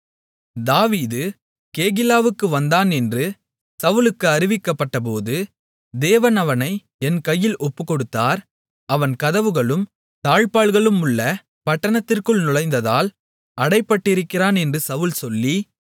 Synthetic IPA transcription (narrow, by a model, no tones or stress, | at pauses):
d̪aːʋiːðɯ | keːɣɪlaːʋɯkːɯʋɐnd̪aːnɛndrɯ | sɐʋʊlɯkːɯɐɾɪʋɪkːɐpːɐʈːɐp̬oːðɯ | d̪eːʋɐnɐʋɐnɐɪ | ɛnkɐjːɪlʔɔpːɯkːɔɽɯt̪ːaːɾ | ɐʋɐnkɐðɐʋɯɣɐɭɯm | t̪aːɻpaːɭɣɐɭɯmʊɭːɐ | pɐʈːɐɳɐt̪ːɪrkɯɭnʊɻɐɪnd̪ɐðaːl | ɐɽɐɪpːɐʈːɪɾɯkːɪraːnɛndrɯsɐʋɯlsɔlːi